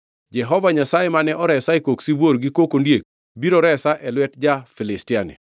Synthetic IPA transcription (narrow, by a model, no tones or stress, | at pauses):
d͡ʒɛɦɔvaɲasajemanɛʔɔɾɛsaekoksibwoɾɡikokondjek̚ | biɾɔɾɛsaʔɛlwɛtd͡ʒafilɪstɪanḛ